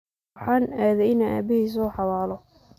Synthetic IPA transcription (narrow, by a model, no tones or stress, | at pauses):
ħɑːnaːðɛɪnaʔa̰ːbɪhiːs̬ɔħɑwaːlɔ